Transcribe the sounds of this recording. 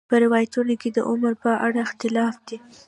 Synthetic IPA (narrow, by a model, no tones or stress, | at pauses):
pəɾɪwɑjat̪unoked̪ə̰ʔʊməɾpəʔaɽaɪxt̪ɪlɑfd̪i